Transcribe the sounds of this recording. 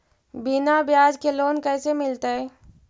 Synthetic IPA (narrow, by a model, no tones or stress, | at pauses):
binabjaːd͡ʒkeloːnkɛːsemɪlt̪aɦɛː